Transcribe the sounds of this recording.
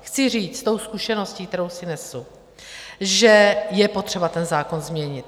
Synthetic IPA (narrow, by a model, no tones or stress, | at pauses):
xt͡sɪr̝iːt͡st̪o̞wskuʃɛno̞sciːk̚t̪ɛɾo̞wsɪnɛsu | ʒɛjɛpo̞t̪r̝̥ɛbat̪ɛnzaːko̞nzmɲɛɲɪt̪̚